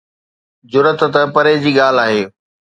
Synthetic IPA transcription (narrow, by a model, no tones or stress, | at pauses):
d͡ʑʊɾət̪t̪əpɐɾed͡ʑiːɠaːl̤aːɦeː